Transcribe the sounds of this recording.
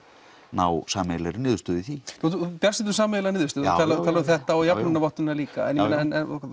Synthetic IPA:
nawsaːmɛlɛɾɪnɪːðʏst̪œːðɪθiupjasɪt̪ːʏs̬aːmɛlanɪːðʏɾst̪ʏːðt̪ʰaːlat̪ʰaːlaðʏθɛht̪aɔjanɪnavɔht̪ʏnaliːka̰ɛ̰njnaɛnɛnɔ̰k

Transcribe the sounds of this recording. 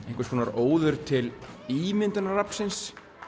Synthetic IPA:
ẽhŋkvʏskʰɔːnaɾoːwðʏɾ̥t̪ʰɪliːmɪnt̪ʏnarapn̥sɪns

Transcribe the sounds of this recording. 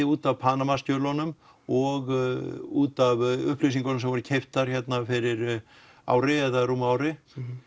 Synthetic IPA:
ɪuːt̪avpʰaːnamasc̪œːwlɔnʏm | ɔɣuːt̪avʏhplis̬iŋkɔnmsɛmvɔɾʏcʰejft̪aɾ̥çɛt̪nafɪɾɪɾ | a̰ːwɾɪɛðaɾuːmaːwɾɪ

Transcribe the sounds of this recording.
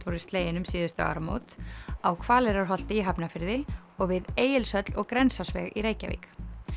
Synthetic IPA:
t̪vɔɾɪst̪leːjɪnʏmsiːðʏst̪a̰a̰ɾmo̰wt̪awkʰvaːlɪɾaɾ̥ɦɔl̥t̪ɪiɦapnafɪɾðɪ | ɔɣvɪðeːjɪlsœt̪l̥ɔɣkɾɛnsasvɛ̰ɣiɾeːjca̰vḭːk

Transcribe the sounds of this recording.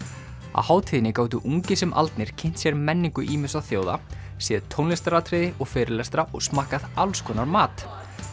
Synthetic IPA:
a̰whaːwt̪ʰiːðɪnɪkaːwt̪ʏʔuŋcɪsɛmʔa̰lt̪nɪɾ̥cʰɪn̥t̪sjɛɾmɛnːiŋkʏʔiːmɪsaθjoːwða̰ | sjɛːðt̪ʰownlɪst̪ɾat̪ʰɾɪðɪɔɣfɛːɾɪlɛst̪ɾaʔɔ̰ɣsmaːhkaðalskʰɔːnaɾmaːt̪

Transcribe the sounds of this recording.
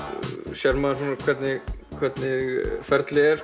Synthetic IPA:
sjɛɾmaðsunːakʰvɛt̪nɪkʰvɛt̪nɪfɛɾt̪lɪɛɾ

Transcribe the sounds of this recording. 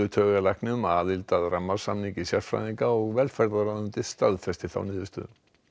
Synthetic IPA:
ʏt̪ʰœːɣalajhknɪŋʏmaːðɪlt̪aðɾamːaɾ̥samniŋcɪsjaɾfɾa̰jðiŋkaɔɣvɛlfɛɾðaɾaðʏmt̪ɪ̥st̪aðθɛst̪ɪθa̰wnɪːðʏst̪ʏ̰

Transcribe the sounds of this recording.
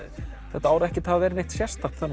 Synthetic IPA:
θɛht̪aaːwɾʏɛhcɪt̪havavɛːɾɪnejht̪sjɛ̥st̪axt̪θanː

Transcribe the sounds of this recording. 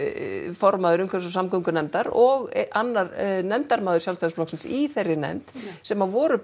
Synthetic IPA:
fɔɾmaːðʏɾʏmkʰvɛɾsɔsamkœŋkʏnɛmt̪aɾɔɣʔanːaɾnɛmt̪aɾmaːðʏɾ̥sjawlst̪asplɔhksɪnsiθerːɪnɛ̰mt̪sɛmavɔːɾʏ

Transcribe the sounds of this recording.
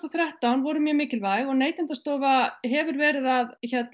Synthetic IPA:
ɔθɾjaht̪awnvɔɾʏmjœmɪːcɪlvaːjɣɔɣneːjt̪ɪnt̪ast̪ɔːvaɦɛvʏɾvɛːɾɪðaðçɛt̪

